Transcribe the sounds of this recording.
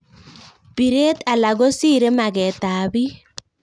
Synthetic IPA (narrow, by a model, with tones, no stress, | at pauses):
pi˨ɾe˦ta˨la˨ɣo˦si˦ɾe˦ma˨ɣɛ˨taː˨βi˦